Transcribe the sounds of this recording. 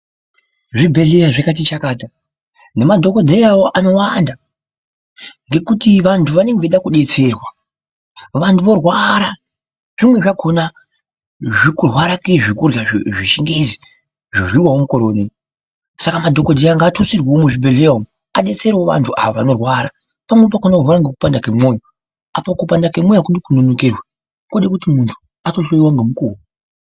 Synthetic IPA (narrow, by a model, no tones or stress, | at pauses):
ʐibʱe̞ɮejaʐakat̬it͡ʃakaːta | nemadʱo̞kodʱejawoʔano̞wanda | ŋɡe̞kutiʋantʰuʋane̞ŋɡʋeɗakuɗe̞t͡se̞rwa | ʋantʰuʋo̞rwaɾa | ʐ̥imwe̞ʐakʰo̞na | ʐikurwaɾakeʐikurjaʐiʃiŋɡezi | ʐirwiwawomukoɾoːni | sakamadʱo̞kodʱiaŋɡaːtʰusirwaomuʐibʱeleomu | aɗe̞t͡se̞rwoʋa̰ntʰuʔa̰oʋano̞rwaɾa | pamwep̬akonakurwaɾaŋɡekupandakemo̞ːjo | apakupandakemojakuɗikunonokerwa | kuɗekutimuntʰu̥ | atoʃojiwaŋɡemukuːwu